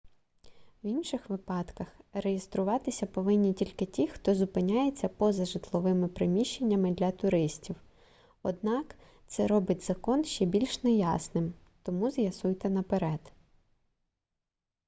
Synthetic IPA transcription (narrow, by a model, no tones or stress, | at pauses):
winʃɪxʋɪpɑt̪kɐxrejest̪ɾʊʋɑt̪ɪsʲɐpɔʋɪnʲːitʲilʲkɪtʲixt̪ɔzʊpɪnʲajet͡sʲːɐpɔzɐʒɪt̪lˠɔʋɪmɪpɾɪmʲiʃt͡ʃːe̞nʲːɐmɪd̪lʲɐt̪ʊɾɪsʲtʲiw | ɔd̪̚nɑk | t̪sɛɾɔbɪtʲzɐkɔnʃt͡ʃɛbʲilʲʃnɛjɑsnɪm | t̪ɔmuzjɐsujt̪ɛnɐpeɾɛd̪̥